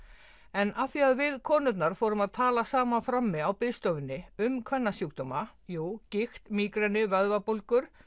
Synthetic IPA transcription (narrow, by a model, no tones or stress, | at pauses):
ɛnʔaθiaðvɪðkʰɔːnʏt̪naɾ̥foːwɾʏmaðt̪ʰaːlasaːmafɾamːɪawpɪðst̪oːwvɪnːɪʏmkʰvɛnːasjukt̪ɔmajuːcɪxt̪miːkɾɛnːɪvœðvapolkʏɾ̥